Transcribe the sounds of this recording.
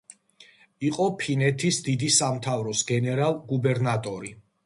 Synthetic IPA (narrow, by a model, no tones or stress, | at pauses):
iqʼɔpʰinɛt̪ʰisd̪id̪isamt̪ʰavɾɔsɡɛnɛɾalˠɡubɛɾnat̪ʼɔɾi